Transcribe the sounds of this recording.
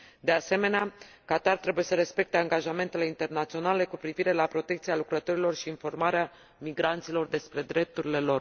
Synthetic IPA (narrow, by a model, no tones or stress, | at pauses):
d̪e̞ase̞me̞nea | kat̪art̪ɾe̞buje̞səɾe̞spe̞k̚t̪eaŋɡaʒame̞nt̪e̞le̞int̪e̞rnat̪sio̞nale̞kupɾiviɾe̞lapɾo̞t̪e̞kt̪sialukɾət̪o̞ɾilo̞rʃiːnfo̞rmaɾea | miɡɾant̪silo̞rd̪e̞spɾe̞d̪ɾe̞p̚t̪uɾile̞lo̞r